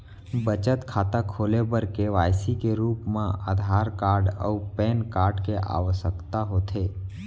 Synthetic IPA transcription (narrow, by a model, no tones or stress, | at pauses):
bət͡ʃət̪kʰaːt̪akʰoːlebəɾkeʋaːjsikeɾuːpmãa̰d̪ʱaːɾkaːɾɖə̰pɛːnkaːɾɖkeʔa̰ːʋəsəkt̪aɦoːt̪ʰeː